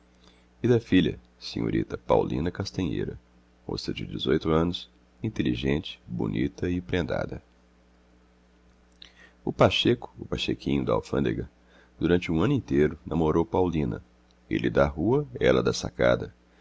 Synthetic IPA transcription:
ɪd̪ɐfilʲɐ̰ | seɲo̰ɾḭt̪ɐpawlḭ̃nɐkast̪ɐ̃ɲḛjɾɐ | mo̰st̪ɐd͡ʒɪd͡ʒɪzojt̪ʊɐ̃nʊs | ĩnt̪eliʒẽnt͡ʃɪ̥bo̰nʔit̪ɐɪpɾẽnd̪a̰d̪ɐ | ʊpaʃekʊ̥ʊpaʃekʰĩɲʊd̪ɐa̰wfɐ̃d̪eɡɐ | d̪̥uɾɐ̃nt͡ʃɪũɐ̃nʊĩnt̪ejɾʊnʔɐ̃moɾowpawlĩnɐ̰ | elɪd̪ɐɦuɐɛlɐd̪ɐsa̰ka̰d̪ɐ

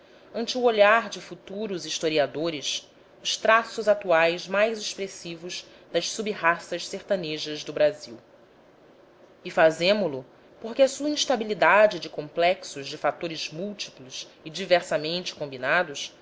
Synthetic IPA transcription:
ɐ̃nt͡ʃɪuoʎaɾd͡ʒɪfut̪uɾʊziʃt̪oɾiad̪oɾɪs | ʊʃt̪ɾasʊzat̪uajzmajzeʃpɾesivʊz | d̪ɐʃsubiɦasɐʃseɾt̪ɐneʒɐzd̪ʊbɾaziw | ɪfazẽmʊlʊ | poɾkɪɐsuɐĩʃt̪abilid̪ad͡ʒɪd͡ʒɪkõmplɛksʊʒd͡ʒɪfat̪oɾɪzmuwt͡ʃi̥plʊs | ɪd͡ʒivɛɾsɐmẽnt͡ʃɪ̥kõmbinad̪ʊs

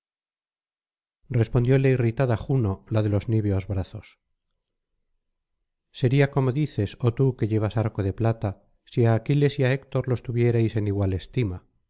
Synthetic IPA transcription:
rre̞spo̞nd̪jo̞le̞irit̪aðaxuno̞laðe̞lo̞zniβeo̞zβɾaθo̞s | se̞ɾiako̞mo̞ðiθe̞so̞t̪uke̞ʝe̞β̞asaɾko̞ðe̞plat̪a | siaːkile̞siaekt̪o̞ɾlo̞st̪uβje̞ɾejse̞niɣwale̞st̪ima

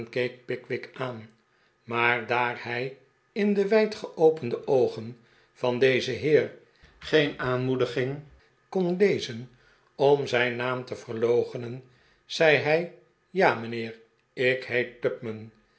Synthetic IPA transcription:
nkejk̚pɪkʋɪkaːn | maːɹdaːrhɛj | ɪndəʋɛjtχəʔowpəndəʔowχən | v̥ɑndejzəɦɪːr | χejnaːnmudəχɪŋ | kɔnlejzən | ɔmzɛjnaːmtəvərlowχənən | z̥ɛjɦɛj | jaːmənɪːr | ɪkɦejt̚tœp̚mən

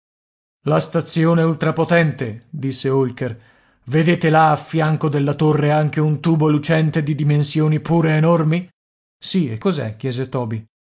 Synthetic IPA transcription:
last̪at̪sjoːneult̪ɾapot̪ɛnt̪ed̪isːeolker | ved̪eːt̪elaːfːjaŋkod̪elːat̪orːeaŋk̟eunt̪uːbolut͡ʃɛnt̪ed̪id̪imensjoːnipuːɾeːnormi | siḛkːozɛ̰k̟ːjɛːzet̪ɔːbi

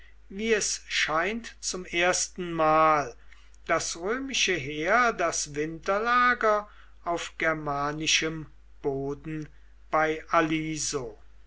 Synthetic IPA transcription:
viːɛsʃaɪntt͡sʊmeːɐstn̩maːl | d̥asʁøːmɪʃəɦeːɐdasvɪntɐlaːɡɐ | aʊfɡ̥ɛɐmaːnɪʃəm | b̥oːdn̩ | b̥aɪʔaliːzoː

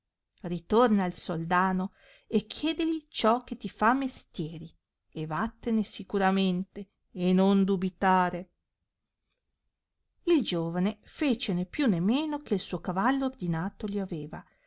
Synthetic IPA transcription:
rit̪ornaːlsold̪aːno | ek̟ʰːjɛːd̪elit͡ʃɔkːet̪ːifamːest̪jɛːɾi | ebat̪ːenesikuɾament̪eː | nond̪ubit̪aːɾe | ild͡ʒoːvanefeːt͡ʃenepːjunːemːeːnokeilsuːokavalːoːrd̪inaːt̪oliaveːva

